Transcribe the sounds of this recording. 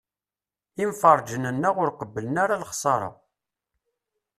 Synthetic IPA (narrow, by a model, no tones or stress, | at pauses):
imfɑɾˤd͡ʒənənːæʁʊɾqəbːələnaɾalχsˤɑɾˤɑ̰